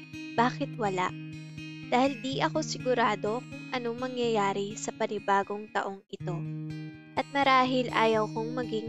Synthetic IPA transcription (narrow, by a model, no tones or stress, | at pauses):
b̥aːkɪt̪wɐla̰ʔd̪̥aːhɪld̪iːʔɐko̞sɪɡʊɾaːd̪o̞kʊŋʔɐno̞mɐŋjɐjaːɾɪsɐpɐnɪbaːɡo̞ŋt̪ɐ̰ʔo̞ŋʔɪt̪o̞ | ʔɐt̪̚mɐɾaːɦɪlʔaːjɐwkoŋmɐɡɪŋ